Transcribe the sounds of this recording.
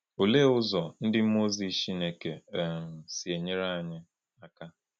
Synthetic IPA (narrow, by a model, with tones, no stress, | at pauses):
o˨le˦ʊ˦zɔ˨n̩˦dɪ˦m̩˦mo˦zi˨ʃi˦ne˨ke˨m̩˨si˨e˨ɲe˦ɾa˦˨ɲɪ˦ | a˦ka˦